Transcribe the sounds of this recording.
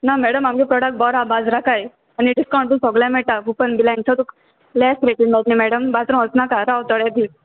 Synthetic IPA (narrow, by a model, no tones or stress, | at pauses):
namɛɽəmamkepɾɔɽək̚ʈ̚bɔɾabad͡zɾakaj | aniɖiskaw̃ɳʈusɔɡlãmɛʈakupənbilãnt͡sʰɔt̪uk | lɛsʈɾeʈinbat̪nemɛɽəmbad͡zɾɔ̃əsnakaɾawt̪ɔɽjad̪i